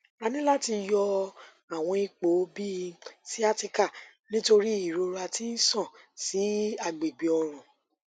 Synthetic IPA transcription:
a˧nĩ˦la˦ti˧jɔ˧ | a˨w̃ɔ̃˧i˧k͡po˨˦bi˦˧si˦a˦ti˧ka˦˨ | nĩ˦to˧ɾi˦i˦˨ɾo˧ɾa˧ti˦n̩˦sɔ̃˦˨ | si˨˦a˧ɡ͡be˨ɡ͡bi˨ɔ˧ɾ̃ɔ̃˨

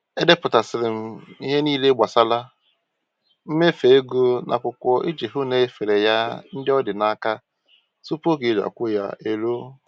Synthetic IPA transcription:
e˦de˦pʊ˨ta˨sɪ˨ɾɪ˨m̩˦i˦ɦe˦niː˦le˦ɡ͡ba˨sa˦la˦ | m̩˦me˦fe˨e˦ɡu˦nʔa̰˨kʷʊ˨kʷɔ˦ʔi˦d͡ʒi˨ɦʊ˦ne˦fe˨ɾe˨ja˦n̩˦dɪ˦ɔ˦dɪ˨na˦ka˦ | su˦po˦ɡe˨˦da̰˨kʷʊ˦ja̰˨e˨lo˦

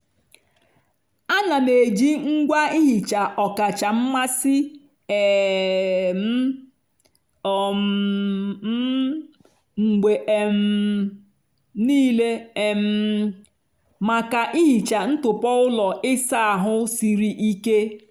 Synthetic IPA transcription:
a˦na˨ne˨d͡ʒi˦ŋ̩˦ɡʷa˦i˦ɦi˨t͡ʃa˨ɔ˨ka˨t͡ʃa˨m̩˦ma˦sɪ˦ | e˨ | m̩˦ | ɔ˨m˨˦ | ŋ͡m̩˨ɡ͡be˨ʔm̩˨ | niː˦le˦e˨m̩˨˦˨ | ma˨ka˨ʔi˦ɦi˨t͡ʃa˨n̩˦tʊ˨pɔ˦ʊ˦lɔ˨ɪ˦sa˦a˨ɦʊ˦si˨ɾi˦ʔi˦ke˦

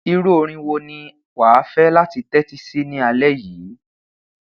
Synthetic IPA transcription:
i˧ɾu˦o˧ɾ̃ĩ˧wo˧nĩ˧ | waː˨˦fɛ˦la˦ti˧tɛ˦ti˦si˦nĩ˦a˧lɛ˦jiː˨˦

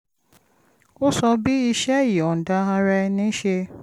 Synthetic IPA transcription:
o˦sɔ˧bi˦i˦ʃɛ˦ji˨ɔ˨n̩˨da˦a˧ɾɛ˧nĩ˦ʃe˧

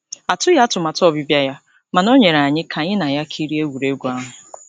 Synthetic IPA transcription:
a˨tʊ˦ja˦tʊ˨ma˨tɔ˦˨bɪ˦bja˦ja˦ | ma˨nɔ˦ɲe˨ɾa˨ɲɪ˦kʰa˨ɲɪ˦na˨ja˦kʰi˦ɾi˦e˦wu˨ɾe˦ɡʷa˦ɦʊ˨

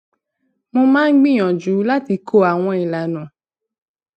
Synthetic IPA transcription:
mo˧mãː˦ɡ͡bĩ˦˨j̃ɔ̃˨d͡ʒu˨˦la˦ti˧ko˦˨a˨w̃ɔ̃˧i˨la˨nũ˨

